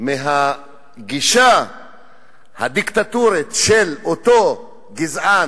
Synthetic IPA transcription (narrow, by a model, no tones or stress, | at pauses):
meɦa | ɡiʃa | had̪ikt̪at̪uɾit̪ʃelot̪o | ɡizʕa